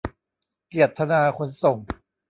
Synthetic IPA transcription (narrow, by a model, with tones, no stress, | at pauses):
ki˨˩ət̪ʰːa˧naː˧kʰo˧˥nso˨˩ŋ